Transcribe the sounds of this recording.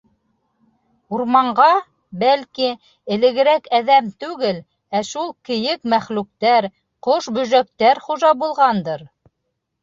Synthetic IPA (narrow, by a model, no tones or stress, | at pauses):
uɾmɑɴɢɑ | bælki | ɘ̆lɘ̆ɡɘ̆ɾækæðæmt̪ʉɡɘl | æʃulˠkɘ̆jɘkmæχlʉk̚t̪æɾ | qoʃbɵ̆ʒæk̚t̪æɾχuʒɑbulˠʁɑnd̪ɤɾ